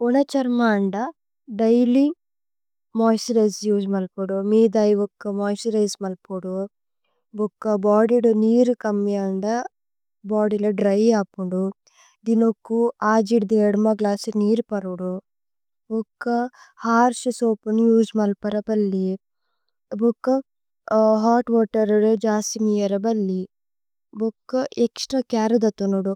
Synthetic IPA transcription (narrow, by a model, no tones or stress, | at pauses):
unɐt͡ʃɐɾmaːɳɖɐ | ɖɐjli | moːjsiɾɐjsjuːd͡ʒmɐlpuɽumiːd̪aːjɔkːɐmoːjsiɾɐjsmɐlpuɽu | bɔkːɐbaːɽiɽuniːɾukɐmːiɐɳɖɐ | baːɽilɐɖɾɐjaːpːuɳɖu | d̪inokːuaːd͡ʒiɽd̪ieɽmɐɡlaːsiniːɾpɐɾuɽu | bukːɐ | haːɾʃisoːpɐnjuːd͡ʒmɐlpɐɾɐpɐlːi | bokːɐ | ɦaːʈʋaːʈɐɾɐɾd͡ʒaːsimijɐɾɐbɐlːi | bokːɐʔeksʈɾaːkaːɾɐd̪ɐt̪unoɽu